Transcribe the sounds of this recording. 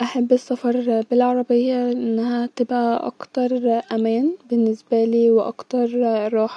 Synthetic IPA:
ʔaħabːɪsːɑfɑɾˤbɪlʕɑɾˤɑbɪjːaʔɪnːhæt̪ɪbʔaʔɑ̰kt̪ɑɾˤʔæmæːnbɪnːɪsbæliːwɪʔɑ̰kt̪ɑɾˤɾˤɑːħ

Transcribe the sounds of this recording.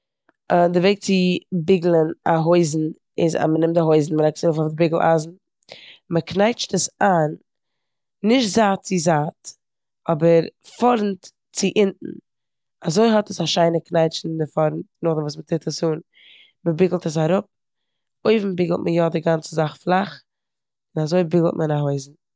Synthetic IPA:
dɪveɪk̚t͡sɪbɪɡl̩ˠənaɦoɪzn̩ | ɪza̰mənɪmtaɦoɪzn̩məɾɛktsaɾufɔfdɪbɪɡl̩ˠʔa̰zn̩ | məknaɪt͡ʃtəsaːnː | ɪʃtzaːtt͡sɪzaːt | ɔbəɾfɔɾn̩t | t͡sɪʔɪntn̩ | azoɪɦɔtəsaʃaɪnəknaɪt͡ʃn̩dɪfɔɾn̩tnʊχdɪmvuːs̬mətɪtəsuːn | məbɪɡl̩ˠtəs̬aɾʊp̚ | oɪvm̩bɪɡl̩ˠtməjɔdɪɡant͡səzaχflˠaχ | ɪnazoɪbɪɡl̩ˠtmənaɦoɪzn̩

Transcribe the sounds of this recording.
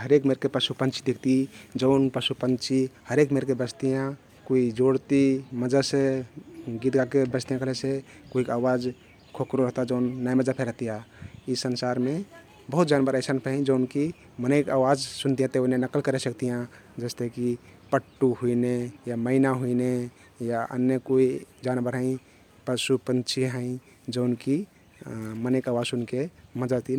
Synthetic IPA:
ɦəɾekmeɾkepəsupənt͡ʃʰi̥d̪ikʰt̪id͡ʒəʊnpɾəsupənt͡ʃʰihəɾekmeɾkebəst̪ijã | kuid͡ʒoɽt̪iməd͡ʒase | ɡit̪ɡakebəst̪ijãkəlesekoɦikawad͡ʒ | kʰokɾoɾəɦt̪ad͡ʒəʊnːajməd͡ʒapʰeɾəɦt̪ijãisənsaɾme | bəɦut̪̚d͡ʒanbəɾəɪsənpʰəɦĩd͡ʒəʊnki | mənəɪkawad͡ʒsunt̪ijãt̪eonenəkːəlkəɾesəkt̪ijã | d͡ʒəst̪ekipəʈːuɦuinejaməɪnaɦuine | jaʔə̰nːjəkoid͡ʒanbəɾɦə̃ɪ̃ | pəsupənt͡ʃʰiɦə̃ɪ̃ | d͡ʒəʊnki | mənekawad͡ʒsunkeməd͡ʒat̪i

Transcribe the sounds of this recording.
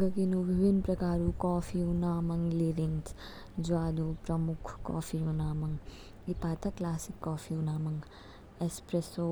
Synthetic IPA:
ɡɐkinubʱibʱinːpɾɐkaːɾukɔːpʰiunaːmɐŋliɾins | d͡ʒuaːd̪upɾɐmukʰkɔ̰ːfʰiunaːmɐŋ | ipaːt̪ʰɐklaːsikːɔːfʰiunaːmɐŋ | espɾeso

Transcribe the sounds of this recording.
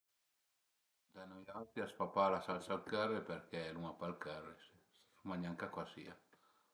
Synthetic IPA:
d̪anɔjalt̪iaspapalasalsalkɛrːeperkɛluŋapalkɛrːesessumaɲaŋkakwasḭa

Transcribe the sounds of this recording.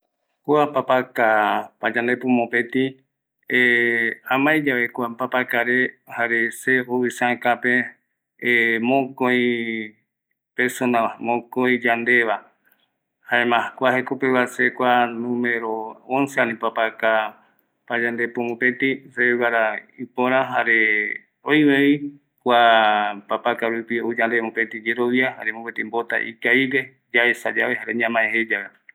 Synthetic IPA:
kuapapakapad͡ʒãnd̪e̞pumõpet̪i | eãmãjd͡ʒaβekwapapakaɾehaɾeseoisãkape | mõkoj̃ | peɾsonãamõkoĩd͡ʒand̪e̞βa | haemãakʷaɦekopeβasekʷanũme̞ɾoonseanĩpapaka | pad͡ʒand̪e̞pomopet̪iseewaɾaipõɾ̃ãɦaɾe | ojβei | kʷapapakaɾupiod͡ʒand̪emõpet̪id͡ʒeɾoʋiaɦa̰ɾemõpet̪imbot̪a̰ʔḭkaiɾe | d͡ʒaesa̰d͡ʒaβeɦaɾeɲãmãẽhed͡ʒaɾa

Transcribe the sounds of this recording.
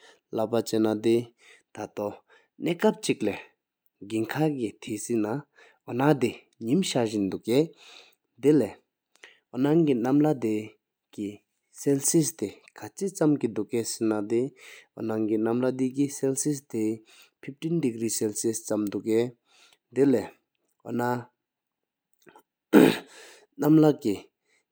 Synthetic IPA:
lapat͡ɕenad̪i | t̪ʰat̪ɔ | nɛːkap̚t͡ɕik̚lɛ | ɡiŋkʰakit̪ʰisina | ɦɔnad̪i | ɲimɕaʑind̪uʔkɛ | d̪elɛ | ɔnaŋkinamlad̪e | ki | sɛlsist̪ekʰat͡ɕit͡samkid̪uʔkɛsinad̪eɦonaŋkinamlad̪ikisɛlsist̪e | pʰip̚tindiɡriːsɛlsist͡samd̪ukːɛː | d̪elɛ | ɦo̰na | namlaʔki

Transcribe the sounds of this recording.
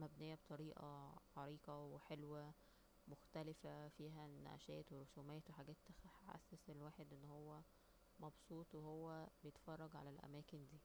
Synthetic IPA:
mæbnejːæbt̪ˤɑɾiːʔɑ̰ʕɑɾiːqɑweħelwæ | moxt̪ælɪfæfiːɦænæ̰ʔæ̰ʃæːt̪weɾosuːmæjːæt̪weħaɡæːt̪ːħħa̰sːæselwaːħed̪ʔenːhowːæ | mɑbsˤuːt̪ˤwehowːæbejet̪fɑrˤːɑɡʕa̰lælʔæ̰mæːkend̪iː

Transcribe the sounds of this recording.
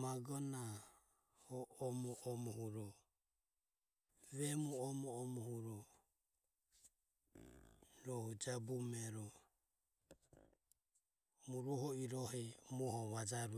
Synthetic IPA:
maɡɔna | hɔʔɔmɔʔɔmɔhuɾɔ | βɛmuɔmɔːmɔhuɾɔ | ɾɔhud͡ʒabumɛɾɔ | muɾɔɦɔiɾɔhɛmuhɔβad͡ʒaɾu

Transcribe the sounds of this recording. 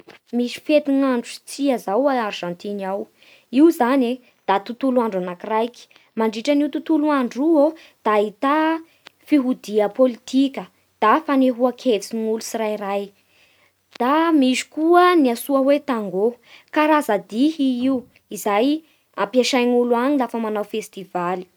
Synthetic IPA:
miʃi̥fet̪iŋaɳɖ͡ʐut͡siazawaarʒãnt̪inaw | iwzane | d̪̥at̪ut̪uluaɳɖ͡ʐanakirajki̥ | maɳɖ͡ʐiʈ͡ʂəniuwt̪ut̪uluaɳɖ͡ʐuo | d̪̥aɦit̪a | fiɦud̪iəpolit̪ikʲə | d̪̥afaneɦuakʰet͡siŋulusiɾajraj | d̪̥amiʃi̥kuəniasuəwet̪aŋɡokaɾazad̪iɦiiu | izaj | ampjaʃajnuluaɲilafəmanawfest̪ivali̥

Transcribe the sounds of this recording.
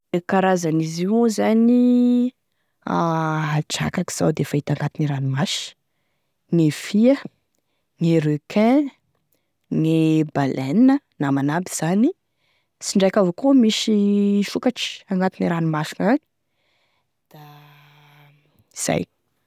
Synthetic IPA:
ekaɾazaniziwzani | aad͡ʒa̰kaki̥z̥a̰wd̪eefait̪aŋɡat̪iniɾanimaʃ | ŋefiə | ŋeɾekʰɛ̃ | ŋebalʔɛninə | namanabiz̥ani | t͡siɳɖ͡ʐakʲavokumiʃiʃukaʈ͡ʂi̥aŋɡat̪iniɾanimaʃiŋak | d̪̥a | iz̥a̰j

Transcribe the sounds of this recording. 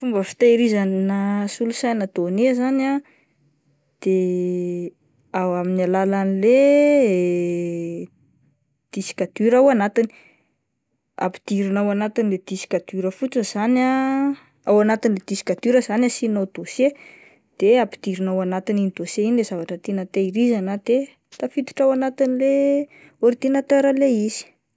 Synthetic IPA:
fumbəfi̥t̪aiɾizannasulusajnad̪̥onezana | d̪̥e | awaminalalanile | d̪̥isi̥kat̪yɾawanat̪ini̥ | a̰pi̥d̪̥iɾinawanat̪iniled̪̥isi̥kat̪uɾəfut͡səz̥ana | awanat̪iniled̪̥isi̥kat̪uɾəzanasinawd̪̥ose | d̪̥eapi̥d̪̥iɾinawanat̪ininid̪oseinilezavaʈ͡ʂət̪enət̪eiɾizanad̪̥e | t̪afit̪u̥ʈ͡ʂawanat̪inile | oɾit̪inat̪øɾəleiz̥i̥

